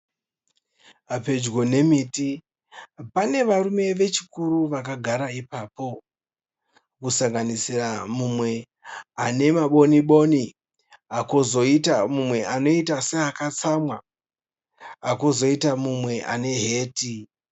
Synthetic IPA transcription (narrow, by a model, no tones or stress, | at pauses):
ape̞d͡ʒɡo̞ne̞miːti | pane̞ʋarume̞ʋe̞t͡ʃikuɾuʋakaɡʱaɾaipaːpo̞ | kusaŋɡanisiramumwe̞ | ane̞maɓo̞niɓo̞ni | akozo̞itamumwe̞ʔano̞itase̞akat͡samwa | kozo̞itamumwe̞ʔa̰ne̞ɦe̞ːti